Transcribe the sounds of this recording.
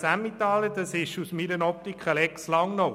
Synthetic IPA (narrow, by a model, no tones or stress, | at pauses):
sæmit̪ɑːləd̪ɑsɪʃusmiɾənɔp̚t̪ikχəlɛkslɑŋno